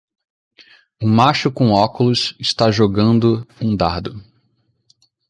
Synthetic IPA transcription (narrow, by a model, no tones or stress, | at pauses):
ũmaʃʊkõɔkʊlʊsɪst̪aʒoɡɐ̃nd̪ʊũd̪aɾd̪ʊ